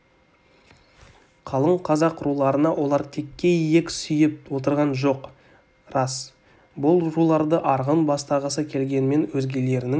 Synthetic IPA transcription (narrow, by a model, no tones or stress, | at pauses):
qʰɑlˠəɴqʰɑzɑqɾulˠɑɾənɑwʔo̞lˠɑɾt̪ʰe̞kʲːe̞ijekʲsʏjɪp̚wo̞t̪əɾʁɑnʒo̞q | rɑs | bʊlˠɾulˠɑɾd̪əʔɑɾʁənbɑst̪ɑʁəsəkʲʰe̞lɡʲe̞nɪme̞nwɵzɡʲe̞le̞ɾɪnɪ